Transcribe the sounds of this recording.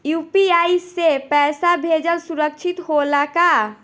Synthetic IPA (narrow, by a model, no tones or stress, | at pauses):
jupiaisepɛsabʱed͡ʒəlsuɾək̚t͡ʃʰit̪holaka